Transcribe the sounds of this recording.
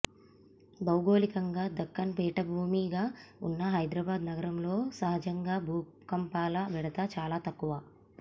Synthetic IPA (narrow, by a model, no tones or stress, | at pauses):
bɐwɡo̞ːlikɐŋɡaːd̪ɐkːɐnpɛːʈɐbʱuːmiːɡaːunːɐɦɐjd̪ɾɐbaːd̪nɐɡɐɾɐmlo̞ːsɐɦɐd͡ʒɐŋɡaːbʱuː | kɐmpaːlɐʋɛɽɐt̪ɐt͡ʃaːlaːt̪ɐkːuʋaː